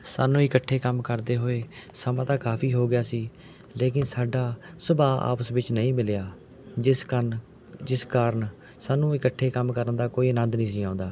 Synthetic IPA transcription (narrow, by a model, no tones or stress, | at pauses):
saːnũːɪkəʈʰːeːkəmkəɾd̪eːɦoːeːsəmãːt̪ãːkaːpʰiːɦoːɡɪjaːsiː | leːkɪnsaːɖaːsəbaːa̰ːpəsʋɪt͡ʃnəĩːmɪlejaː | d͡ʒɪskən | d͡ʒɪskaːɾəɳ | saːnũːɪkəʈʰːeːkəmkəɾənd̪aːkoːiːənə̃nd̪nĩːs̬ĩːãːʊ̃nd̪aː